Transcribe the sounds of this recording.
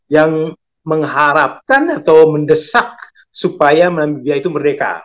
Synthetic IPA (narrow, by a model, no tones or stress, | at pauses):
jaŋ | məŋɦaɾap̚kanat̪awməndəsak̚ | supajaməamibiait̪umərdeka̰